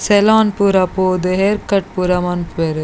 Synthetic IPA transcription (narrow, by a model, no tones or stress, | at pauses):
selaːnpuɾɐpoːd̪ɨɦeɾkɐʈ̚puɾɐmɐnpeɾ